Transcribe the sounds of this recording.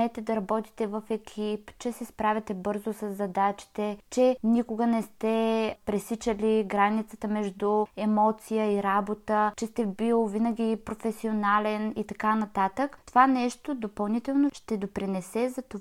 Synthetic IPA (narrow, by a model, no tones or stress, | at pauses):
ɛt̪ɛd̪ɐɾɐbɔt̪i̥t̪ɛvəfɛkʲʰipt͡ʃɛsɛspɾavʲɛt̪ɛbɤɾzosɐzːɐd̪at͡ʃi̥t̪ɛt͡ʃɛnikʊɡənɛst̪ɛpɾɛsit͡ʃəliɡɾanit̪sət̪əmɛʒd̪ʊɛmɔt̪sijəiɾabot̪ət͡ʃɛst̪ɛbilˠvinəɡʲipɾofɛsionalɛnit̪ɐkanɐt̪at̪əkt̪ovanɛʃt̪od̪opɐlˠnit̪ɛlˠnoʃt̪ɛd̪opɾinɛsɛzɐt̪o